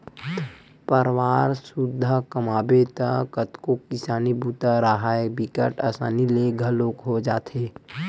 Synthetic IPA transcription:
pəɾwaːɾsʊd̪ʱːəkəmaːbet̪əkət̪kokɪsaːnibuːt̪aɾaɦaːjəbɪkəʈəsaːnileɡʱəloːkɦod͡ʒaːt̪ʰeː

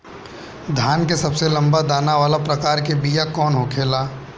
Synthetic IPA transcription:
d̪ʱjaːnkesɐbselɐ̃mbad̪aːnaʋaːlapɾɐkaːɾkebijakɔːnɦokʰeːlaː

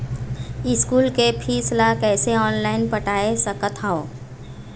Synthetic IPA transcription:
ɪskuːlkepʰiːslakɛːseɔːnlaːɪnpəʈaːesəkət̪ɦao

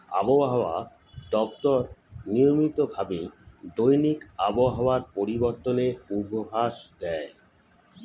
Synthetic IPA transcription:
a̰boɦaoa | d̪ɔp̚t̪ɔɾnijomit̪obʱabed̪ojnikaboɦaoaɾpoɾiboɾt̪oneubʱobʱaʃd̪ɛe

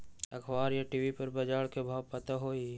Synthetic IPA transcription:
ɐkʰʋaːɾjaʈiːʋipɐɾbɐd͡ʒaːɽkebʱaːʋpɐt̪aɦoːi

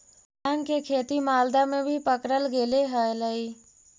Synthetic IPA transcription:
aːnkekʰeːt̪imaːld̪amẽbʱipəkɾəlɡeːleɦələiː

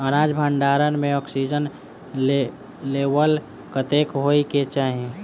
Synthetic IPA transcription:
əɾaːd͡ʒbʱə̃ɳɖaːɾənmẽɔːksid͡ʒən | eːwəl | kət̪eːkɦoiket͡ʃaːɦiẽ

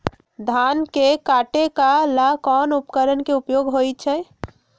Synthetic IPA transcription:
d̪ʱankekaʈekalakɔnupkəɾənkeupjoɡɦojt͡ʃʰɛ

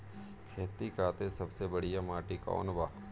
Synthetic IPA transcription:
kʰeːt̪ikaːt̪ẽsɐbsebɐɽijamaːʈikɔ̰ːnbaː

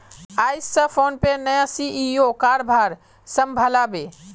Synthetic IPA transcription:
ajsːə̃pʰonpenəjãsiʔiokaɾbʱaɾ | səmbʱəlabe

